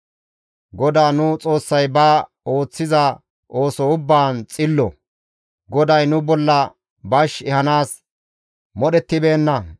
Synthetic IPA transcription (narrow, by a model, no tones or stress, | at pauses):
ɡɔd̪aːnʊt͡sʼo̞ːsːɐjbaː | o̞ːt͡sːɪzɐ | ʔo̞ːsɔʊbːaːnt͡sʼɪlːɔ̰ | ɡɔd̪ɐjnʊbɔlːɐ | bɐʃɛhɐnaːs | mɔɗɛt̪ːɪbe̞ːnːɐ